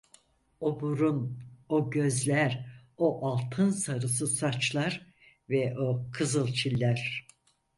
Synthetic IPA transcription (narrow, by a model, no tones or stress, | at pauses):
obuɾunoɟø̞zlʲæɾoʔalˠt̪ʰɯnsaɾɯsɯsat͡ʃlˠaɾ | vɛʔokʰɯzɯlˠt͡ʃʰilʲːæɾ̥